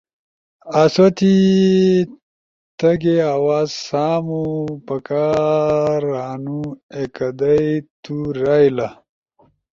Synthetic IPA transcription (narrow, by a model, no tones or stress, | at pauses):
aswɐt̪i | t̪ɐɡeawaːzsaːmupɐka | ɾaːnuekɐd̪ajt̪uɾaːjla